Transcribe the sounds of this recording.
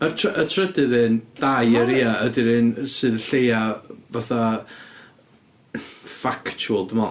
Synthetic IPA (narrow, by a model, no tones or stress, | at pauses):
ətʰətʰrədɨðɨnd̥ajəɾiːaədɪɾɨnsɨːðɬejavaθa | faktʰʊlˠdəmɔ